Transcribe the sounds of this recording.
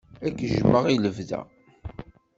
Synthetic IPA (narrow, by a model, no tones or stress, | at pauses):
ækːəʒəmːəʁiləvðæ̰